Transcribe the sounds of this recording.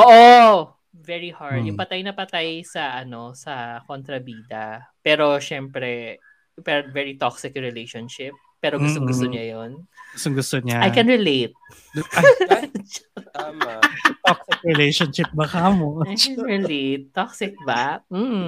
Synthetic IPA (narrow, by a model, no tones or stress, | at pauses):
ʔoːʔo | vɛɹihaɹd̪jʊŋpɐt̪ajnɐpɐt̪ajsɐʔɐno̞sɐkont̪ɾɐbiːd̪ɐ | pɛːɾo̞ʃɛmpɾɛ | pɛɾovɛɹit̪oksɪkɹɛlejʃonʃɪp̚ːɛːɾoɡʊst̪oŋɡʊsoɲajonɡʊst̪oŋɡʊst̪oɲaʔajkɛnɹɛlejt̪̚ | at̪oksɪkɹɛlejʃonʃɪp̚bɐkamoajɛnɹɛlet̪ːoksɪk̚bɐm̩